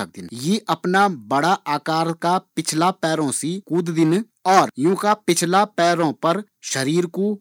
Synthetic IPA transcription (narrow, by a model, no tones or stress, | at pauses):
ək̚d̪ɪnjeːʔəpnaːbəɽaːʔaːkaːɾkaːpɪt͡ʃʰlaːpɛːɾõːsiːkuːd̪d̪ɪn | ɔːɾjũːkaːpɪt͡ʃʰlaːpɛːɾõːpəɾ | ʃəɾiːɾkoː